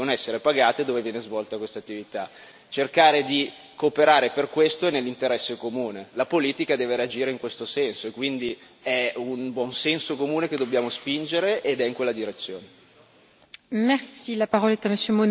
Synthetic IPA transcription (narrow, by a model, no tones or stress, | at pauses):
onɛsːeɾepaɡaːt̪ed̪oːvevjɛːnezvɔlt̪akwest̪at̪ːivit̪a | t͡ʃerkaːɾed̪i | koːpeɾaːɾeperkwest̪oenelːint̪eɾɛsːekomuːnelapoliːt̪ikad̪ɛːveɾead͡ʒiːɾeiŋkwest̪osɛnsoekːwind̪i | ɛunbwɔnsɛnsokomuːneked̪objaːmospind͡ʒeɾeʔed̪ɛiŋkwelːad̪iɾet̪sːjoːne | mɛʁsilapaʁɔlɛt̪aməsjømo